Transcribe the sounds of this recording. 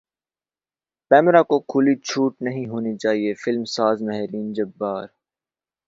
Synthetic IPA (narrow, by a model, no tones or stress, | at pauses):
kɛːmɾakokʰʊlit͡ʃʰuːʈnɐɦĩɦoːnit͡ʃaːɦiefɪlmsaːzmɛɦɾiːnd͡ʒɐbːaːɾ